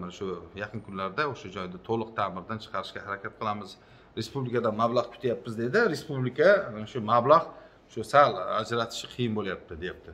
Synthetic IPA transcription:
manaʃʊjɑqʰɨnkʰʊnlaɾd̪aoʃad͡ʒɒjd̪ɪt̪ʰolˠɨq̚t̪ʰamɪɾd̪ant͡ʃʰɨ̥qʰɑɾɪʃkʲahaɾakʲʰat̪̚qʰɨlˠamɪz | ɾe̞spublɪkad̪anmablˠaʁkʰʊ̥t̪ʰajapːɪzd̪e̞d̪ɪɾe̞spublɪkʰaʃʊmablˠaʁ | ʃʊsala̰d͡ʒɾat̪ʰɪ̥ʃɪqʰɨjɪnbolajap̚t̪ʰɪd̪e̞jap̚t̪ɪ

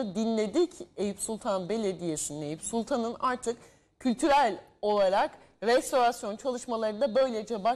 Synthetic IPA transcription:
ɯd̪inlʲe̞d̪icejipsulˠt̪ʰanbe̞lʲe̞d̪ije̞sinine̞jipsulˠt̪ʰanɯnaɾt̪ʰɯk | cʰːylʲt̪ʰyɾælʲ | o̞lˠaɾak | ɾɛst̪o̞ɾasjo̞nt͡ʃʰalˠɯʃmalˠaɾɯnd̪abø̞jlʲed͡ʒɛba

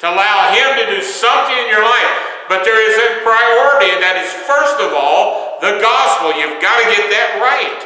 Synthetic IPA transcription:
tʰəəlaʊɪ̃mtɨdɨsʌ̃mθɪ̃ŋɨ̃njə˞laɪf | b̥ʌt̪̚ðə˞ɪzɨpʰɹ̥aɪɔɹəɾiɨ̃nðɨɾɨz̥fɜ˞stʌvɔlˠ | ðɨɡɑspl̩ˠjʉvɡɑɾɨɡɛt̪̚ðɨt̚ɹaɪt̚

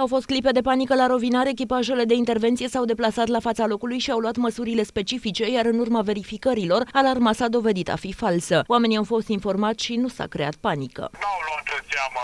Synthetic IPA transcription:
awfo̞st̪̚klipe̞d̪e̞panikəlaɾovinaɾeek̬ʲipaʒele̞d̪e̞int̪e̞rvent̪sije̞sawd̪e̞platsat̪lafat̪salo̞kulujʃiawluat̪məsuɾile̞spe̞t͡ʃifit͡ʃe̞jaɾɨnurmave̞ɾifikəɾilo̞ralarmasad̪o̞ve̞d̪it̪a̰fifalsəoame̞niawfo̞st̪info̞rmat̪ʲʃinusa̰kɾe̞̰a̰t̪̚panikə̰awlat̪əsamə

